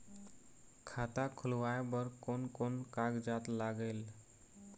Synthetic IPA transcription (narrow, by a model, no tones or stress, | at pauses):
kʰat̪akʰulʋaebəɾkonkonkaɡd͡ʒat̪laɡəl